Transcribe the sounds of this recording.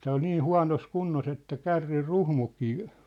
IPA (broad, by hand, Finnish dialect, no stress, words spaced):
tæː ol niː huɑ̝nos kunːos etːæ kærːir ruhmukˑiː